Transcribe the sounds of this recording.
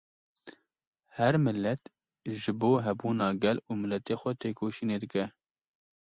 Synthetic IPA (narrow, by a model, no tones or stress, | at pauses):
hɛɾmɨlːɛt̪ | ʒɨboːɦɛbuːnɑːɡɛluːmɪlɛt̪eːxʷɛt̪ʰeːkʰoːʃiːneːd̪ɨkɛ